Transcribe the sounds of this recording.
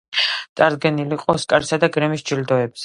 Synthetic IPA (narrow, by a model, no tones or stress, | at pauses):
t̪ʼaɾd̪ɡɛniliqʼɔskʼaɾisad̪akʼɾɛmisd͡ʒild̪ɔɛbz̥ɛ